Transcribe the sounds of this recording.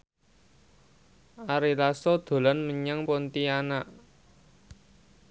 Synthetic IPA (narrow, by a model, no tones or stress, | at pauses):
ʔaɾilasɔd̪̥o̤lanməɲaŋpɔnt̪ianaʔ